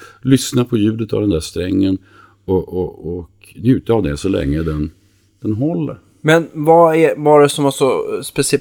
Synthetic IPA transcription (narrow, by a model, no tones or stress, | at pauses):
lʏsnapʰɔjʉ̟ːd̪ət̪a̰vd̪ɛnd̪æʂt̪ɾɛŋːən | ɔʔɔɔk | njʉ̟ːt̪aːvd̪ɛsɔlɛ̰ŋːəd̪ɛn | d̪̥ɛnɦɔlːə̰ɾ | mɛnvaævaɾɛsɔmasɔspɛsɪɛ